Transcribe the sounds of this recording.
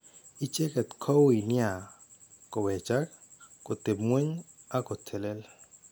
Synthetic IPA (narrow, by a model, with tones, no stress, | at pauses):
i˦t͡ʃe˦kɛ˨t̪kʰɔ˦wi˨nja˨ | ko˨wɛ˨t͡ʃa˦k | ko˨t̪e˨bmwe˦ɲ | a˦ko˨t̪ʰe˨le˦l